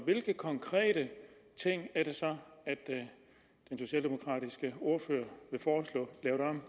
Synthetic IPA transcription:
ʋe̝lɡ̥əkʰɒ̽ŋkʰʁɛ̰ːɾ̥ət͡sʰe̝ŋ̰æɐɾ̥e̝sɒ̽æd̥ | d̥enso̝ɕɛ̰ːld̥e̝mo̝kʰʁɑ̰̈ːɾ̥isɡ̥əo̝ɐfø̰ːɐʋe̝fɒːslɔ̰̽ːlɛʊɾ̥ɑm

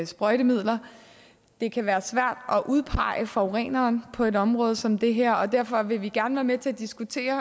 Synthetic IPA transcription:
sb̥ʁɒɪɾ̥əmið̞̰ˠlɐ | d̥e̝kʰæʋæːɐsʋæɐ̰d̥ɒ̽ʔuð̞ˠpʰɑ̈ɪ̰əfɒʊʁɛ̰ːnɐːnpʰɒ̽e̝ɾɒ̽mʁɔ̽ːð̞ˠsɒ̽md̥e̝ɦæɐ̰ɒ̽d̥æɐ̰fɒ̽ʋe̝ʋiɡ̥æɐnʋæːɐmet͡sʰe̝æɐd̥isɡ̥ut͡sʰe̝̰ːɐ

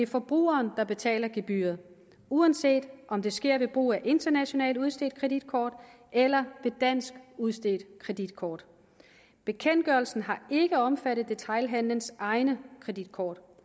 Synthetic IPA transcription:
deæfɒ̽b̥ʁṵːɐːnd̥ɑ̈b̥e̝t͡sʰɛ̰ːlɐɡ̥e̝b̥y̰ːɐð̩ˠ | uænse̝̰ːd̥ʔɒ̽md̥e̝sɡ̥e̝ɐ̰ʋe̝b̥ʁṵːæʔe̝nd̥ɐnæɕo̝nɛ̰ːlduðˠsd̥e̝ːd̥̚kʰʁɛd̥id̥̚kʰɒːd̥ | ʔelɐʋe̝d̥æn̰sɡ̥uð̞ˠsd̥e̝ːd̥kʰʁɛd̥id̥̚kʰɒːd̥ | b̥e̝kʰen̰d̥̚ɡ̥ɶɐl̩sn̩ɦɑ̈e̝ɡ̥əɒ̽mfæɾ̥ðˠd̥e̝t͡sʰɑ̈ɪlɦænlənsʔɑ̈ɪnəkʰʁɛd̥id̥kʰɒːd̥

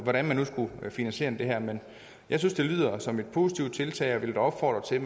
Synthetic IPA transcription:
ʋɒɾænmænːusɡ̥ufinænɕe̝̰ːɐnd̥e̝ɦæɐ̰men | jɑ̈ɪsynsd̥e̝lyð̞̰ˠɐsɒ̽me̝d̥̚pʰo̝ːsi̥t͡sʰiʊd̥t͡sʰe̝lt͡sʰɛ̰ɪɒʋe̝ld̥æɒ̽b̥fɒ̰ːd̥ʁɐt͡sʰe̝

